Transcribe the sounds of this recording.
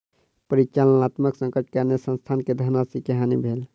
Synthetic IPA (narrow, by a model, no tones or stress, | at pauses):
pəɾit͡ʃalənat̪məksə̃ŋkəʈkaɾnesə̃nst̪ʰanked̪ʱəɾnasikəɦanibʱel